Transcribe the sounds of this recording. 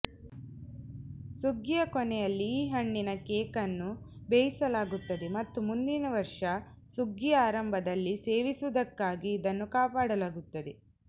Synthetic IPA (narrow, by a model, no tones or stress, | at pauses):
suɡijɐkɔnɛjɐlːiːɦɐɳːinɐkeːkɐnːubejisɐlaːɡut̪ːɐd̪emɐt̪ːumund̪inɐʋɐɾʂɐ | suɡːijaːɾɐmbʱɐd̪ɐlːiseːʋisud̪ɐkːaːɡiːd̪ɐnːukaːpaːɽɐlaːɡut̪ːɐd̪e